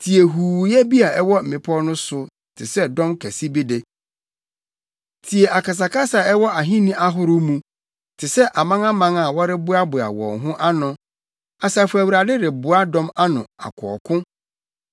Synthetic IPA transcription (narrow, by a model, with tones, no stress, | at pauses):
tʰi˨e˨ɦuː˨jɛ˦bi˦a˨ɛ˦wɔ˦m̩˨mɪ̃˨pʰɔ˦nʊ̃˦sʊ˦ | tʰɪ˨sɛ˦dɔ̃˦mkʰæ˨si˦bi˦de˨ | tʰi˨e˨ʔa˨ka˨s̬a˨ka˦sa˨ɛ˦wɔ˦ʔa˨ɦĩ˦nĩ˦ʔa˦ɦʊ˦ɾʊ˦mũ˦ | tʰɪ˨sɛ˦ʔa˨mã˦ŋa˦mã˦ŋa˨wɔ˦ɾɪ˦bʊ˦a˦bʊ˨a̰˨wɔ̰̃˨ŋɦʊ̃˦ʔa˦nʊ̃˦ | a˨sa˨fʊ˨˦æ˨wu˨ɾa˨dɪ˦dɪ˨bʊ˨a˦dɔ̃˦ma˦nʊ̰̃˨a̰˨kʰɔ˨ɔ˨kʰʊ̃˦